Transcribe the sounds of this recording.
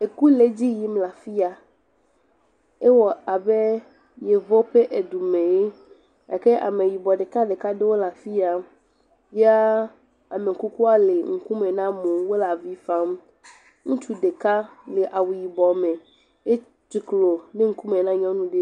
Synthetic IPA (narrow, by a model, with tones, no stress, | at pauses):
e˨ku˦le˦d͡ʑi˦ji˦mla˨fi˦a˨ | e˦wɔ˨a˨be˦ | je˨vɔ˦ɸe˦ʔe˨du˨mẽ˨je˦ | a̰˨ke˦ʔa̰˨me˨ji˨bɔ˨ɖe˨ka˦ɖe˨ka˦de˦wo˦la˨fi˦a˦ | je˦a˦ | a˨me˨ŋ̩˨ku˦ku˦a˦le˨ŋ̩˨ku˦me˨nã˦mõ˨wo˦la˨vi˦fã˦m | ŋũ˦t͡ʃu˦ɖe˨ka˦le˨ʔa˨wu˨ji˨bɔ˨mẽ˨ | e˦ | t͡ʃi˨klo˨ne˦ŋ̩˦ku˦me˨nã˦ɲɔ̃˦nũ˦ɖe˦